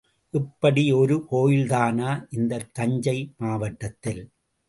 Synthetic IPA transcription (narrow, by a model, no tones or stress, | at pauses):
ʔɪpːɐɽiɔɾɯkoːjɪlt̪aːnaːʔɪnd̪ɐt̪ːɐɲd͡ʒɐɪmaːʋɐʈːɐt̪ːɪl